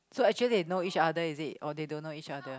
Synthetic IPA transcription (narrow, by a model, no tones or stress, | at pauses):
soɛk̚t͡ʃuəlidenoit͡ʃadəizit̚ʔɔdedõnːoit͡ʃadə